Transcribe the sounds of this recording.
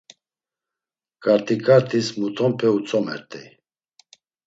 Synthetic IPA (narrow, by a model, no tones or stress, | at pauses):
kʼaɾt̪ʰʼikʼaɾt̪ʰismut̪ʰɔmpʰɛut͡sʰʼɔmɛ̰ɾt̪ʼɛ̰